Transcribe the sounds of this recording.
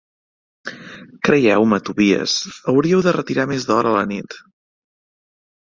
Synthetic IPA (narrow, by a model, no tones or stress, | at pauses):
kɾəjɛwmət̪uβiə̰səwɾiəwðərət̪iɾamezðɔɾələnit̪